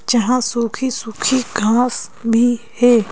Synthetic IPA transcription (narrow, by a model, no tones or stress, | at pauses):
t͡ʃəɦãːsuːkʰiːsuːkʰiːɡʱãːsbʱiː | heː